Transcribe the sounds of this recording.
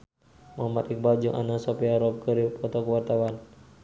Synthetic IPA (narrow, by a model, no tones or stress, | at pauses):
maamat̪ik̚bad͡ʒuŋʔa̰nasɔpiaɾɔp̚kəɾipɔt̪ɔkəwart̪awan